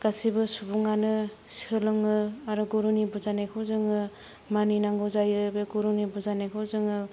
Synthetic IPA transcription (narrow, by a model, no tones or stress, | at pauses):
ɡ̥asibɯsubuŋanɯ | siɯlɔŋɯaɾuɡɔɾunibuzanekʰɯwzɯŋɯ | maninaŋɡɔzajɯbeɡoɾunibɔzanekʰɯzɯŋɯ